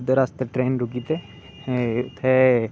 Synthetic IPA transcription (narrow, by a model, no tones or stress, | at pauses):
d̪eːɾaːst̪eʈɾeːnɾʊkit̪eː | ʊt̪ʰːeː